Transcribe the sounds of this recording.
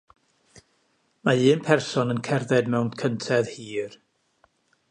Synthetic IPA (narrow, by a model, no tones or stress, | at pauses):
maɨːnpʰɛrsɔnənkʰɛrðɛdmɛwnd̥kʰəntʰɛðhiːr